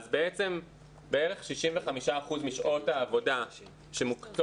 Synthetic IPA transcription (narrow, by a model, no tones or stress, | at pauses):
zbeet͡se̞m | beeʁeχʃiʃimveχamiʃaːχuzmiʃʔo̞taːvo̞da | ʃemukt͡s